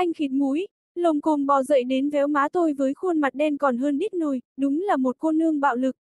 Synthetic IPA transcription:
ʔa˧jŋ̟xi˨˦nmu˨˦j | lə˨˩wŋ͡mko˨˩nɓɔ˨˩zə̰˧˨jɗe˨˦nvɛ˨˦wmaː˨˦t̪o˧jvəː˨˦jxo˧nma˨˩t̚ɗe˧nkɔ˨˩nɦəː˧nɗi˦˥t̚nu˧˩jɗʊ˨˦ŋ͡mlaː˨˩mo˨˩t̚xo˧nːɨ˧əŋɓa̰ː˧˨wlɨ˨˩k̚

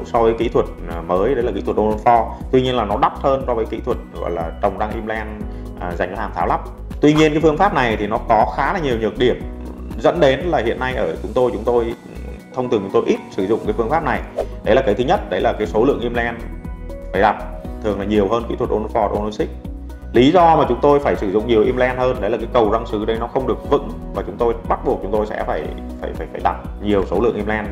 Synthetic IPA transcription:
sɔ˧vəː˨˦jkḭ˧˥t̪ʰwə˨˩t̚məː˨˦jɗə˨˦jlaː˨˩kḭ˧˥t̪ʰwə˩ʔo˧no˧fɔ˧t̪wi˧ɲi˧ənlaː˨˩nɔ˨˦ɗa˦˥wp̚həː˧nsɔ˧vəː˨˦jkḭ˧˥t̪ʰwə˨˩t̚ɣɔ̰˧˨jlaː˨˩t͡ɕə˨˩wŋ͡mɗa˧ŋʔi˧mlɛ˧n | ʔə˨˩za˨˩jŋ̟vhaː˨˩mt̪aː˨˦wla˦˥p̚ | t̪wi˧ɲi˧ənkaː˨˦jfɨ˧əŋfaː˦˥p̚na˨˩jt̪ʰi˨˩nɔ˨˦kɔ˨˦xaː˨˦laː˨˩ɲi˨˩əwɲɨ˨˩ək̚ɗi˧˩əmzə̰˧˥nɗe˨˦nlaː˨˩hḭ˧˨ənːa˧jʔəː˧˩t͡ɕʊ˨˦ŋ͡mt̪o˧jt͡ɕʊ˨˦ŋ͡mt̪o˧j | t̪ʰə˧wŋ͡m̪ɨ˨˩ŋt͡ɕʊ˨˦ŋ͡mto˧jʔi˦˥t̚sɨ˧˩zʊ̰˧˨ŋ͡mkaː˨˦jfɨ˧əŋfaː˦˥p̚na˨˩jɗə˨˦jlaː˨˩kə˨˦jt̪ʰɲə˦˥t̚ɗə˨˦jlaː˨˩kaː˨˦jso˨˦lɨ̰˧˨əŋʔi˧mlɛ˧nfaː˧˩jɗa˨˩t̚t̪ʰɨ˨˩əŋlaː˨˩ɲi˨˩əwɦəː˧nkḭ˧˥t̪ʰwə˨˩t̚ʔo˧n˧fɔ˧˩t̚ʔo˧no˧sï˦˥k̟̚ | li˨˦zɔ˧maː˨˩t͡ɕʊ˨˦ŋ͡mt̪o˧jfaː˧˩jsɨ˧˩zʊ̰˧˨ŋ͡mɲi˨˩əwʔi˧mlɛ˧nhəː˧nɗə˨˦jlaː˨˩kaː˨˦jkə˨˩wza˧ŋsɨ˨˦ɗə˨˦jnɔ˨˦xə˧wŋ͡mɗɨ˨˩ək̚vɨ̰˧˥ŋ | vaː˨˩t͡ɕʊ˨˦ŋ͡mt̪o˧jɓa˦˥t̚ɓək̚t͡ɕʊ˨˦ŋ͡mt̪o˧jsɛ̰˧˥faː˧˩j | fa̰ː˧˩jfaː˧˩jfaː˧˩jɗa˨˩t̚ɲi˨˩əwso˨˦lɨ̰˧˨əŋʔi˧mlɛ˧n

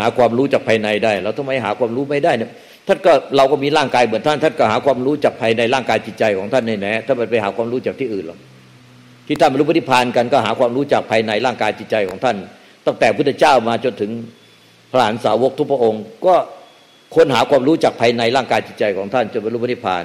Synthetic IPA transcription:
aː˩˦˥kʰwaː˧mɾuː˦˥t͡ɕaː˨˩pʰaː˧jna˧jdaː˥˩jlɛː˧˩wt̪ʰa˧ma˦˥jɦaː˩˦kwaː˧mɾuː˦˥ma˥˩jdaː˥˩jnɛ˥˩ | t̪ʰa˥˩nkɔː˥˩ɾa˧wkɔː˥˩miː˧ɾaː˥˩ŋkaː˧jmɯ˩˦nt̪ʰa˥˩nt̪a˥˩nkɔː˥˩ɦaː˩˦kwaː˧mɾuː˦˥t͡ɕaː˨˩k̚pʰaː˧jna˧jlaː˥˩ŋkaː˧jt͡ɕi˨˩t̪̚t͡ɕa˧jkʰɔː˩˦ŋt̪ʰa˥˩nːa˥˩jnɛː˦˥˩t̪ʰa˥˩ma˧npa˧jɦaː˩˦kʰwaː˧mɾuː˦˥t͡ɕa˨˩k̚t̪ʰiː˥˩ʔɯː˨˩nlɔ˨˩ | t̪ʰiː˥˩a˥˩npɾuː˦˥pʰt̪ʰi˥˩pʰːaː˧nka˧nkɔː˥˩ɦaː˩˦kwaː˧mɾuː˦˥t͡ɕaː˨˩k̚pʰaː˧jna˧jɾaː˥˩ŋkaː˧jt͡ɕi˨˩t͡ɕa˧jkʰɔː˩˦ŋt̪ʰa˥˩n | t̪a˥˩ŋt̪ɛː˨˩pʰu˥˩˧t͡ɕaː˥˩wmaː˧t͡ɕo˧nt̪ʰɯ˩˦ŋ | pʰa˧a˧˩a˩˨˦nsaː˩˦wo˦˥k̚t̪ʰu˦˥pʰa˧ʔo˧ŋkɔː˥˩ | kʰo˧nɦaː˩˦kʰwaː˧mɾuː˦˥t͡ɕaː˨˩k̚pʰaː˧jna˧jɾaː˥˩ŋkaː˧jt͡ɕi˨˩t̪̚t͡ɕa˧jkʰɔː˩˦ŋt̪ʰa˥˩nt͡ɕo˧npa˧jɾuː˦˥pa˧˦t̪ʰi˥˩pʰa̰ː˧n

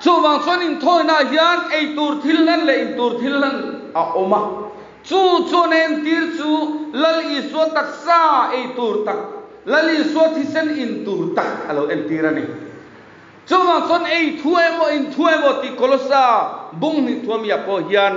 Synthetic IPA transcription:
t͡su˧va˨ŋt͡sɔ˦ni˨nt̪ʰɔ˧˨jna˨ʔɦi˦a˦ne˨jt̪u˨rt̪ʰi˦lla˦nlɛ˨ʔi˨nt̪u˨rt̪ʰi˦llɐ˦n | a˨ʔɔ˦ma˧ | t͡su˦t͡su˧˦na˨ɛ˧nt̪i˦rt͡suː˦lɐ˦li˨su˧˦ɐ˦t̪a˧˨k̚sa˦˧e˨jt̪u˨ɾt̪a˨k̚ | lɐ˦li˨su˦ɐ˦t̪ʰi˧sɛ˦ni˨nt̪u˨rt̪a˨k̚ɐ˨lo˨wʔɛ˧nt̪i˦ɾa˧nḭ˨ | t͡su˦˨va˨ŋt͡sɔ˦ne˨jt̪ʰu˦e˧jmɔ˨ʔi˨nt̪ʰu˦e˧jmɔ˨t̪i˨kɔ˧lɔ˦saː˧bu˦˨ŋn̥i˨ʔt̪ʰu˧ɐ˦mi˨a˨pɔ˧˨ɦi˦a˧n

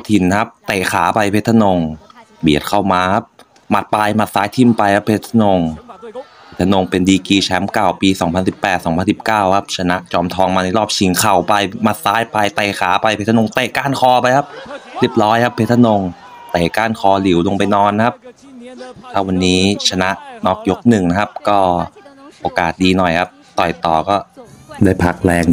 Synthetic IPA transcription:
t̪ʰi˨˩nkʰa˦˥p̚t̪ɛː˨˩xʰaː˩˦pa˧jpʰeː˦˥t̪ʰːa˧no˧ŋ | bi˨˩ət̪̚kʰa˥˩wmaː˧kʰa˦˥p̚ | ma˨˩t̪̚paː˧jma˨˩t̪̚saː˦˥jt̪ʰi˧˩mpa˧jkʰa˦˥pʰe˦˥t̪ʰːa˧no˧ŋpʰe˦˥t̪ʰːa˧no˧ŋpe˧ndiː˧kiː˧t͡ɕʰɛ˦˥mka˨˩wpiː˧sɔː˩˦ŋpʰa˧nsi˨˩pːɛː˨˩t̪̚sɔː˩˦ŋpʰnsi˨˩p̚kaː˥˩wkʰa˦˥p̚t͡ɕʰa˧na˦˥ʔt͡ɕɔː˧mt̪ʰɔː˧ŋmaː˧na˧jlɔː˥˩p̚t͡ɕʰi˩˦ŋkʰa˨˩wpa˧jmaː˧saː˦˥jpa˧jt̪a˨˩jxʰaː˩˦pa˧jpʰe˦˥t̪ʰa˧no˧ŋt̪eː˨˩kaː˥˩nkʰɔː˧pa˧jkʰa˦˥p̚li˧˩əp̚ɾɔː˦˥jkʰa˦˥pʰe˦˥t̪ʰːa˧no˧ŋ | t̪eː˨˩kaː˥˩nkʰɔː˧li˨˩˦wlo˧ŋpa˧jnɔː˧n˧kʰa˦˥p̚ | t̪ʰaː˥˩wa˧nːiː˦˥t͡ɕʰa˧na˦˥ʔnɔ˦˥k̚jo˦˥k̚nɯ˨˩ŋna˦˥kʰa˦˥p̚kɔː˥˩ʔoː˧kaː˨˩t̪̚diː˧nɔ˨˩jkʰa˦˥p̚t̪ɔ˨˩jt̪ɔː˨˩kɔː˥˩daː˥˩jpʰa˦k̚lɛː˧ŋ

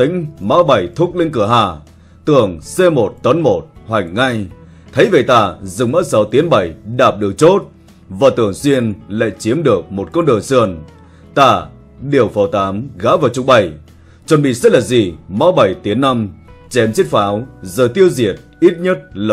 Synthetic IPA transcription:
t̪ï˧˥ŋ̟ma˧˥wɓa˨˩jt̪ʰʊ˦˥k͡p̚lï˧ŋ̟kɨ˧˩əɦaː˨˩ | t̪ɨ˧˩əŋse˧mo˨˩t̚t̪ə˨˦nmo˨˩t̚hwa˨˩jŋ̟ŋa˧j | t̪ʰə˨˦jve˨˩t̪aː˧˩zɨ˨˩ŋŋ͡mma˦˥t̚sa˨˦wt̪i˨˦ənɓa˨˧˩jɗaː˨˩p̚ɗɨ˨˩ək̚t͡ɕo˦˥t̚ | vaː˨˩t̪ɨ˨˧˩əŋswi˧ənla̰ː˧˨jt͡ɕi˨˦əmɗɨ˨˩ək̚mo˨˩t̚kɔ˧nɗə̰˨nsɨ˧˩ən | t̪aː˧˩ | ɗi˨˩əwfə˨˩wt̪aː˨˦mɣaː˨˥wvaː˨˩wt͡ɕʊ˧ŋ͡mɓə˨˩j | t͡ɕwə˨˩nɓḭ˧˨sə˦˥t̚laː˨˩zi˨˩ma˧˦wɓa˨˩jt̪i˨˦ənːa˧mt͡ɕɛ˨˦mt͡ɕi˦˥t̚faː˨˦wzəː˨˩jt̪i˧əwzi˨˩ət̚ʔi˦˥t̚ɲə˦˥t̚l

